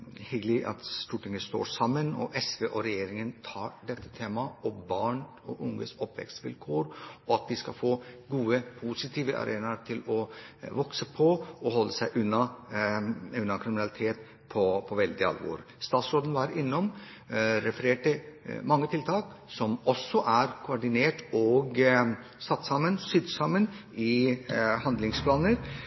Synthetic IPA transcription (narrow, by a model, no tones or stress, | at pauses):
hɪɡlɪʔɑ̰t̪st̪uːʈɪŋəst̪o̰ːʂɑmːənɔ̰ʔɛsʋeːʔɔɾɛjeːɾɪŋənt̪ʰɑːɾɖɛt̪ːə̥t̪ʰeːmɑɔmbɑːɳ | ɔʔʊŋːə̰sɔpʋɛ̰kst̪ʋɪ̰lkʰoːɾɔɑt̪̚d̪ɪskɑfoːɡuːəpʰusɪt̪ʰiːʋəʔɑ̰ɾʔeːnɑɾʈ̪ʰɪlɔʋɔksəpʰɔɔhɔlːəsæɪʔʉnːɑ | ʉnːɑkʰɾɪmɪnɑlɪt̪ʰeːt̪ | pʰɔpʰɔʋɛld̪ɪɑ̰lʋo̰ːɾ | st̪ɑːt̪sɾoːd̪nʋɑɾɪnːɔm | ɾɛfəɾeːʈəmɑŋːət̪ʰɪlt̪ʰɑːk | sɔmɔsːɔʔæɾkʰʊɔɖɪneːʈɔɡ | sɑt̪ːsɑmːənsyd̪sɑmːənɪhɑnd̪lɪŋspʰlɑːnəɾ